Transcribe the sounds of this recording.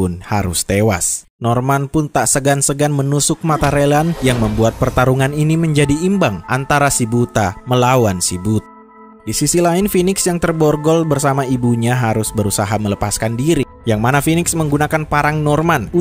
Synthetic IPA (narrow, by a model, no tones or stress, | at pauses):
ʊnhaɾʊ̰st̪ewa̰s | nɔrmanpʊnt̪aʔsəɡansəɡanmənusʊk̚mat̪aɾelanjaŋməmbuat̪̚pərt̪aɾuŋaniniməɲd͡ʒadiːmbaŋʔant̪aɾasibut̪aməlawansibut̪a | disisilaɪnfinɪksjaŋt̪ərbɔrɡɔlbərsamaibuɲaɦaɾʊsbəɾusaɦamələpaskandiɾi | jaŋmanafinɪksməŋɡunakanpaɾaŋnɔrman